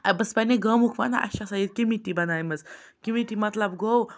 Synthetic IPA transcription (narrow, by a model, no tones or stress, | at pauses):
abəspaneɡəmukʰʋa̰na̰ʔɐ̰ɕasaid̪̚kimiʈibɐnajməz | kimiʈimɐt̪ləbɡow